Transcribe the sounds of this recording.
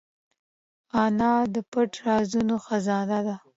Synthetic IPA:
ɑnɑd̪əpəʈɾɑzunoxazɑnad̪a

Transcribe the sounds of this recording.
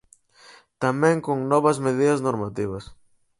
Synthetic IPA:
t̪amɛ̃ŋkoŋnɔβɐzmeðiðɐznoɾmat̪iβɐs

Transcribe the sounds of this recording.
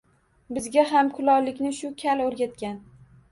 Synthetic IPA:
bɪzɡʲaɦamkʰʊlɒwlɪkʲnɪʃʊkʲʰalɵɾɡʲat̪kʲan

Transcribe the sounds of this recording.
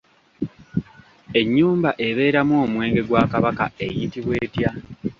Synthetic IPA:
e̞ɲːuːmbaʔe̞βe̞ːɾamwomwe̞ːŋɡe̞ɡwaːkaβaka̰e̞jitiβwe̞ːtja

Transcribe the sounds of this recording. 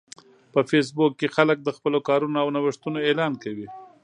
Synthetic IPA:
pəfes̬bukːexalək̚d̪əxpəlokɑɾunoawnawəʂt̪unoelɑnkawi

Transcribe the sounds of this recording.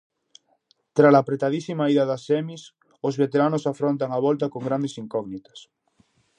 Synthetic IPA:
t̪ɾalapɾet̪aðisimaiðaðasɛmis | ozβet̪eɾanosafɾont̪aŋaβ̞ɔlt̪akoŋɡɾand̪esiŋkɔɣnit̪ḁs

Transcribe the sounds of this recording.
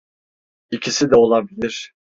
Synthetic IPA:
icʰisid̪ɛo̞lˠabilʲiɾ̥

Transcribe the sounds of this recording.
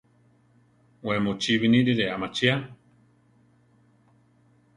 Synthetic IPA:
wemot͡ʃiβiniɾiɾeamat͡ʃia

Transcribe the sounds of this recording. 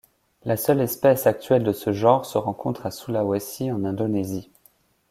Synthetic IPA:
lasœlɛspɛsak̚t̪ɥɛld̪əsəʒɑ̃ʁsəʁɑ̃kʰɔ̃t̪χasulawɛsiɑ̃nɛ̃d̪onɛzi

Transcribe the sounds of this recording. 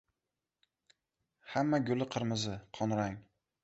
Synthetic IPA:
hamːaɡʲʊlɪqʰɨɾmɪzɪqʰɒnɾaŋ

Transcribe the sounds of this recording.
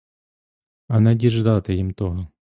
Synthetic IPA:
ɐnɐdʲiʒd̪ɑt̪ɪjimt̪ɔɦɔ

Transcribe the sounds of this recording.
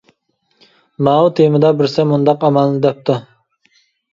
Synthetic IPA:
nɑːut̪ʰemɪd̪ɑbɪɾsɛmund̪ɑqɑmɑnˠːɨd̪ɛp̚t̪ʰu

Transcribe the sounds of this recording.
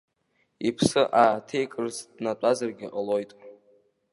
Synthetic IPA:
ipʰsɨʔatʰe̞jkʼɨrzdnatʷʼazarɡʲɪʔʼalo̞jtʼ

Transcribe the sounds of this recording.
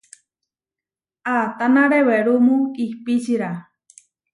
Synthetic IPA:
at̪anaɾeweɾumuihpit͡ʃiɾa

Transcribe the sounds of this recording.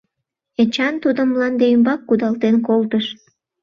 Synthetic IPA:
et͡ɕɑnt̪ud̪əmːlɑnd̪eymbɑkːud̪ɑlt̪enkolt̪əʃ

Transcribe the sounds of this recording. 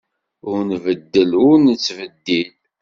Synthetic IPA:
ʊɾnvəd̪ːəlʊɾnət͡sːvəd̪ːil

